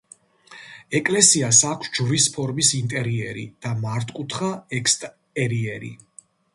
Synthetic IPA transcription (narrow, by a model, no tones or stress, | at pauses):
ɛkʼlɛsiasakʷʰsd͡ʒvɾispʰɔɾmisint̪ʼɛɾiɛɾḭd̪̥amaɾt̪ʰʼkʼut̪ʰχaɛkst̪ʼ | ɛɾiɛɾḭ